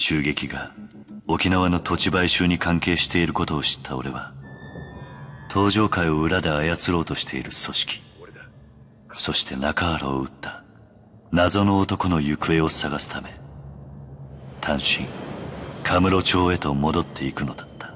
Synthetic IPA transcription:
ɕɨːɡe̞kʲiɡa | o̞kʲinaβ̞ano̞t̪o̞t͡ɕibaiɕɨːɲ̟ikãŋke̞ːɕi̥t̪e̞iɾɯ̟ko̞t̪o̞ːɕi̥t̪ʰːao̞ɾe̞βa | t̪ʰo̞ːʑo̞ːkaio̞ɯ̟ɾad̪e̞ajat͡sɨɾo̞ːt̪o̞ɕi̥t̪ʰe̞̰iɾɯ̟so̞ɕi̥kʲi̥ | so̞ɕi̥t̪ʰe̞nakaaɾa̰oɯ̟t̪ːa | nazo̞no̞ːt̪o̞ko̞no̞jɯ̟kɯ̟e̞o̞saɡasɨ̥t̪ame̞ | t̪ʰãɰ̃ɕḭ̃ŋkʰamɯ̟ɾo̞t͡ɕo̞ːe̞t̪o̞mo̞d̪o̞t̪ʰːe̞ikɯ̟no̞d̪ḁt̪ʰːḁ

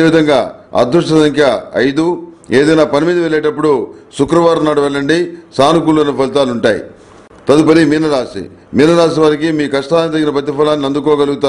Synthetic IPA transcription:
eʋid̪ʱɐŋɡaːɐ̰d̪ʱɾuʂʈɐsɐŋkʰjɐɐ̰jd̪u | eːd̪ɐjnaːpɐnimiːd̪ɐʋɛɭːɛːʈɐpːuɽusukɾɐʋaːɾɐnaːɽuʋɛɭːɐɳɖisaːnukulːoːnipɐlit̪aːluɳʈaːjḭ | t̪ɐd̪upɐɾiminːɐɾaːsḭ | minːɐɾaːs̬iʋaːɾikimiːkɐʂʈaːnit̪̬ɐɡinɐpɐt̪̬ːipɐlaːnːinɐnd̪ukɔːɡɐluɡut̪aː

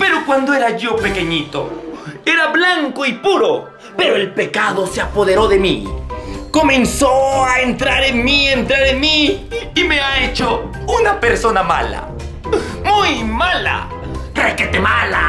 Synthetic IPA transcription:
pe̞ɾokwand̪oeɾaʝo̞pe̞keɲit̪o̰e̞ɾablaŋkoipuɾo | pe̞ɾoe̞lpe̞kaðo̞seapo̞ðe̞ɾo̞ðe̞mḭ | ko̞mẽ̞nsoaent̪ɾaɾeŋmient̪ɾaɾeŋmiimeaet͡ʃo | unapeɾsonama̰la̰ | mujmala̰ | kɾeket̪emala̰

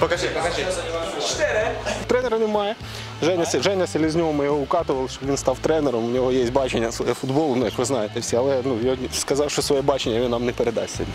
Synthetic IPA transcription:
pɐkɐɐɐɪ | ɛt̪ɾɛnɛɾɐnʲɪmɑjɛ | ʐɛnʲɐsʲʐɛnʲɐsʲɪlʲɪzʲnʲoʋɔmɨjɪɦoʊkɑt̪ɨʋɐlˠʃɔʋinst̪ɑwt̪ɾɛnɛɾɐmʊnʲɪɦojesʲtʲbɑt͡ʃenʲːɐsʋɐjɛfʊd̪bolˠʊnujakʋɨznajɪt̪ʲsʲɐlˠɛnujoskɐzɑwʃɔsʋɐjɛbɑt͡ʃenʲːɐjʲɔnamnɪpeɾɪd̪ɑ̰sʲsʲɐ̰dʲi

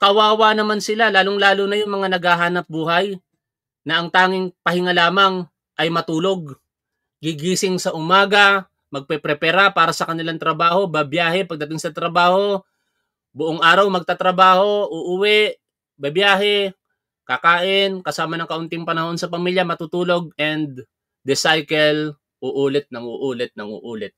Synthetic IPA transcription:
kɐwaːwanɐmansɪlalaːloŋlaːlunɐjʊŋmɐŋanɐɡaɦaːnɐp̚buːɦɐj | nɐʔɐŋt̪aːŋɪŋpɐhɪŋalaːmɐŋ | ʔɐjmɐt̪uːlo̞ɡ̚ | ɡɪɡiːsɪŋsɐʔʊmaːɡɐ | mɐɡ̚pɛpɾɛpɛɾapaːɾɐsɐkɐnɪlaŋt̪ɾɐbaːho̞bɐbjaːhɛpɐɡ̚d̪ɐt̪ɪŋsɐt̪ɾɐbaːho̞ | bʊʔoŋaːɾɐwmɐɡ̚t̪at̪ɾɐbaːho̞ʔʊʔuwɛʔ | bɐbjaːɦɛ | kɐkaːʔɪnkɐsaːmɐnɐŋkɐʔʊnt̪ɪŋpɐnɐho̞nsɐpɐmiljɐmɐt̪ut̪uːlo̞ɡ̚ɛnd̪ | d̪ɪsajkɛl | ʔʊʔuːlɛt̪̚nɐŋuːʔuːlɛt̪̚nɐŋṵːʔuːlɪt̪̚

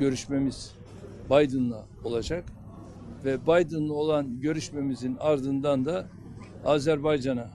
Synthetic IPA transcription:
ɟø̞ɾyʃme̞miz̥ | bajd̪ɯnlˠa | o̞lˠad͡ʒak | vɛbajd̪ɯnlˠao̞lˠanɟø̞ɾyʃme̞mizinaɾd̪ɯnd̪and̪a | aːzæɾbajd͡ʒana

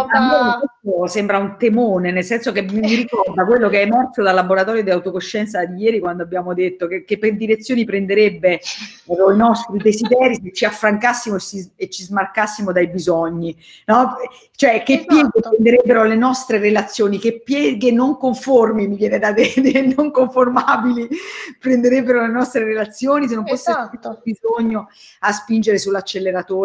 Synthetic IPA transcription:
amːosɛsosɛmbɾaunt̪emoːnenelsɛnsokemːiɾikɔrd̪akwelːokeɛmɛrsod̪alːaboɾat̪ɔːɾjod̪iawt̪okoʃːɛnt̪sad̪ijɛːɾikwand̪oabːjaːmod̪et̪ːokekːepːerd̪iɾet̪sːjoːnipɾend̪eɾebːe | oinɔst̪ɾid̪ezid̪ɛːɾiset͡ʃːiafːɾaŋkasːimoesiet͡ʃːizmarkasːimod̪ajbizɔɲːi | nɔ | t͡ʃoɛkːepːjɛːɡepɾend̪eɾebːeɾolenɔst̪ɾeɾelat̪sːjoːnikepːjɛːɡenːoŋkoɱformimivjɛːned̪ad̪ed̪enoŋkoɱformabilipɾend̪eɾebːeɾolenɔst̪ɾeɾelat̪sːjoːnis̬enːoɱfosːeobizoɲːoaspind͡ʒeɾesulːat͡ʃːelːeɾat̪oː

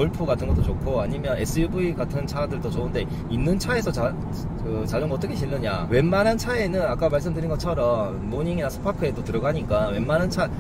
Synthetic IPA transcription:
oɭpʰuɡatʰɯnɡʌt͈ot͡ɕokʰoaɲimjʌne̞s͈ʰɯjubuiɡatʰɯnt͡ɕʰadɯɭd͈ot͡ɕounde̞ | inːɯnt͡ɕʰae̞s̬ʰʌt͡ɕa | kɯt͡ɕaɡɯmʌt͈ʌkʰe̞ɕ̬ʰiʎːʌɲa̰we̞nmanant͡ɕʰae̞nɯnak͈amaɭs̬͈ɯmdɯɾinɡʌt͡ɕʰʌɾʌmːoɲiŋinasʰɯ̥pʰakʰɯe̞dotɯɾʌɡaɲik͈awe̞mːanɦant͡ɕʰa

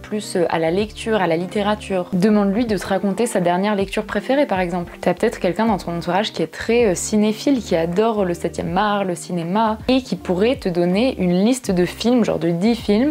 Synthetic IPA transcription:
plysøʔa̰lalɛkt̪ʰyːʁalalit̪eʁat̪ʰyːʁd̪əmɑ̃d̪lɥid̪ət̪əʁakɔ̃t̪esad̪ɛʁnjɛʁlɛk̚t̪yʁpχefeʁepaʁɛɡzɑ̃plt̪yapø̥t̪ɛt̪χə̥kʲɛlkʲɛ̃d̪ɑ̃t̪ɔ̃nɑ̃t̪uʁaʒkʲiɛt̪χɛøsinefilkʲiad̪ɔʁləsɛt̪jɛ̰maʁləsinemaekʲipuʁɛt̪əd̪ɔneʔynlist̪d̪əfilmʒɑ̰ʁd̪əd̪ifilm

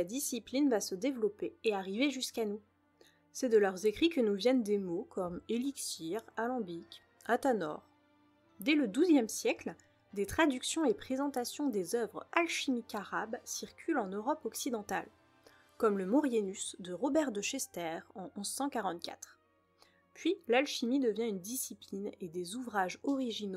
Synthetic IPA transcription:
lad̪isiplinvasəd̪evlɔpeːaʁiveʒyskanu | sɛd̪əlœʁzekχikənuvjɛnd̪emokʰɔmeliksiʁalɑ̃bik | at̪anɔ̰ʁ | d̪ɛləd̪uzjɛmsjɛkl | d̪et̪χad̪yksjɔ̃epχezɑ̃t̪asjɔ̃d̪ezœvʁalʃimikaʁabsiʁkʲʰylɑ̃nøʁɔpɔksid̪ɑ̃t̪al | kɔmləmɔʁjenysd̪əʁɔbɛʁd̪əʃɛst̪ɛʁɑ̃ʔɔ̃zsɑ̃kaʁɑ̃t̪̚kʲa̰t̪χ | pɥilalʃimid̪əvjɛ̃ynd̪isiplined̪ezuvʁaʒɔʁiʒino

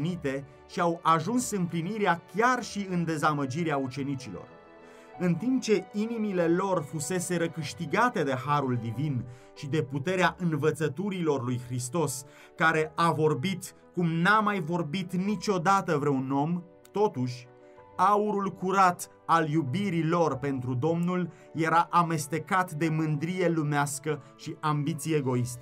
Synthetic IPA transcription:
nit̪e̞ | ʃiawaʒunsɨmpliniɾeakʲarʃiɨnd̪e̞zaməd͡ʒiɾeaut͡ʃe̞nit͡ʃilo̞̰r | ɨnt̪imp̚t͡ʃe̞inimile̞lo̞rfuse̞se̞ɾəkɨʃt̪iɡat̪e̞d̪e̞ɦaɾuld̪ivin | ʃid̪e̞put̪e̞ɾeaʔɨnvət̪sət̪uɾilo̞rlujxɾist̪o̞s | kaɾe̞ʔavo̞rbit̪ | kumnamajvo̞rbit̪nit͡ʃo̞d̪at̪əvɾeuno̞m | t̪o̞t̪uʃʲ | auɾulkuɾat̪ | aljubiɾilo̞rpe̞nt̪ɾud̪o̞mnul | je̞ɾaʔame̞st̪e̞kat̪d̪e̞mɨnd̪ɾije̞lumeaskəʃiʔambit̪sieeɡo̞ist̪ə̥

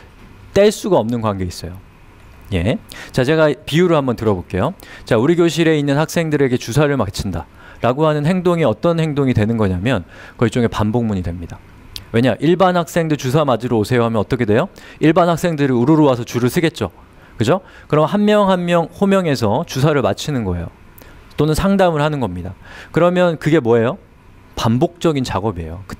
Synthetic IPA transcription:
t͈eɭs͈uɡaʌmnɯnkwaŋɡe̞is͈ʌjo | je̞t͡ɕat͡ɕe̞ɡapiuɾɯhambʌntɯɾʌbok͈e̞jot͡ɕauɾiɡjoɕʰiɾe̞inːɯnhak̚s͈e̞ŋdɯɾe̞ɡe̞t͡ɕusʰaɾɯɭmakt͡ɕʰinda | ɾaɡoɦanɯnɦe̞ŋdoŋiʌt͈ʌnhe̞ŋdoŋidwe̞nɯnɡʌɲamjʌnkʌit͡ɕ͈oŋe̞pamboŋmuɲidwemɲida | we̞ɲaʔiɭbanhak̚s͈e̞ŋdɯt͡ɕus̬ʰamad͡ʑiɾoosʰe̞joɦamjʌnʌt͈ʌkʰe̞dwe̞joiɭbanhak̚s͈e̞ŋdɯɾiuɾuɾowasʰʌt͡ɕuɾɯɭsʰɯɡe̞t̚t͡ɕ͈o̰ | kɯd͡ʑo | kɯɾʌmhanmjʌŋɦanmjʌŋɸomjʌŋe̞sʰʌt͡ɕusʰaɾɯɭmat͡ɕʰinɯnɡʌe̞̰jo̰ | t͈onɯnsʰaŋdamɯɭhanɯnɡʌmɲidakɯɾʌmjʌnkɯɡe̞mwʌejo | pambok̚t͡ɕ͈ʌɡint͡ɕaɡʌbie̞̰jokɯ̥

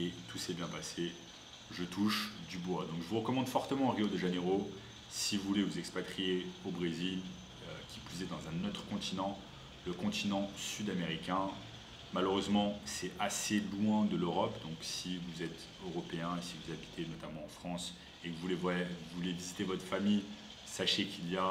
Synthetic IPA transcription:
et̪ʰusɛbjɛ̃pase | ʒət̪ʰuʃd̪ybwad̪ɔ̃kʒəvuʁəkɔmɑ̃d̪fɔʁt̪əmɑ̃ːʁiod̪əʒeneʁo | sivuvulevuzɛkspat̪χijeobʁezil | økʲipɥized̪ɑ̃zɛ̃not̪χəkɔ̃t̪ʰinɑ̃ | ləkɔ̃t̪inɑ̃syd̪ameʁikʲɛ̃ | maløʁøzmɑ̃sɛaselwɛ̃d̪əløʁɔpd̪ɔ̃ksivuzɛt̪ | øʁɔpeɛ̃esivuzabit̪ʰenɔt̪amɑ̃ɑ̃fχɑ̃s | evuevɛuvulevizit̪evɔt̪χə̥famij | saʃekʲʰilija

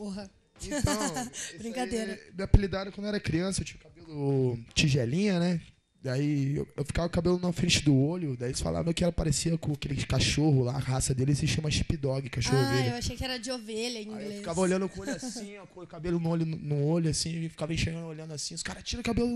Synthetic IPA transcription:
poɦɐ | ẽt̪ɐ̃wbɾĩkad̪eɾɐmiapilid̪aɛɾɐkɐ̃nd̪ʊɛɾɐkɾiɐ̃sɐewt͡ʃĩɐ̃kaɐbelʊt͡ʃiʒɛlĩɲɐnɛ | d̪aiḛwewfi̥kavɐkabelʊnũmɐfɾẽt͡ʃɪd̪ʊoʎʊd̪aielɪsfa̰la̰vɐ̃kɪɛlɐpaɾesiɐkõakelɪkaʃoɦʊlaːhasɐd̪elɪziʃt͡ʃiɐmɐʃipid̪ɔɡɪkaʃohoveewaʃejkɪɛɾɐd͡ʒɪoveʎɐĩɡleefikavɐoʎɐ̃nd̪ʊkõolʊasĩɔkoʊkabelʊnʊoʎʊnʊnʊoʎʊasĩɪfi̥kavɐẽʃejɐ̃nd̪olɐ̃nd̪ʊasĩʊskaɾɐt͡ʃiɾɐʊkabelʊ

